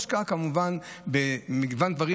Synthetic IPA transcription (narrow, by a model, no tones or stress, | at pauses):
ʃkakamuvanbemiɡvand̪vaʁi